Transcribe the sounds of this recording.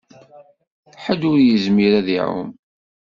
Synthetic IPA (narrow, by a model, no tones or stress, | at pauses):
ħəd̪ʊɾjəzmiɾæðiʕʊ̰m